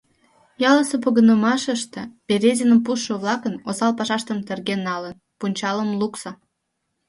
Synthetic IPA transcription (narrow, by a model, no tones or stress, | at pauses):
jɑləsepoɣənəmɑʃəʃt̪ĕpeɾʲezʲinəmpuʃːəβlɑkənosɑlpɑʃɑʃt̪əmt̪erɣenːɑlən | punʲt͡ɕɑləmluksə